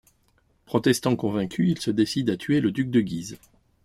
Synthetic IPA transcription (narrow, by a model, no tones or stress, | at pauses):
pχɔt̪ɛst̪ɑ̃kɔ̃vɛ̃kʲʰyilsəd̪esid̪at̪ʰɥeləd̪yk̚d̪əɡʲiz